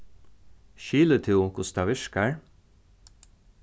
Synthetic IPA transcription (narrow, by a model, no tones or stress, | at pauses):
ʃyːlət̪ʰʉːkʰʊsd̪ɑːʋɪʃkəɹ